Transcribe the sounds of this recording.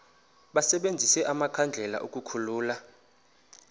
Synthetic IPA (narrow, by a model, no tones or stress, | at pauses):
ɓasɛɓend͡zʱisɛʔamakʰand͡ɮʱɛla̰ʔuk̬ʼukʰuluːla